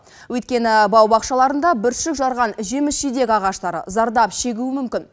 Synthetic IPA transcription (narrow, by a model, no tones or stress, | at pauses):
wɵjt̪̚kʲe̞nɪbɑwbɑqʃɑlˠɑɾənd̪ɑbɪɾʃɪkʒɑɾʁɑnʒe̞mɪsʒijd̪e̞kʲɑʁɑʃt̪ɑɾə̰zɑɾd̪ɑpʃe̞ɡʲuwɪmʏmkʲɪn